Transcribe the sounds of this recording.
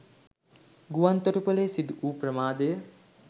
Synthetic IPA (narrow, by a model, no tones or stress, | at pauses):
ɡuʋant̪oʈupəleːsid̪uuːprəmaːd̪ejə